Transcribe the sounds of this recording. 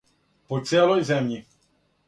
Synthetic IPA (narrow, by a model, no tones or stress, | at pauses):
pɔt̪sɛlɔjzɛmɲi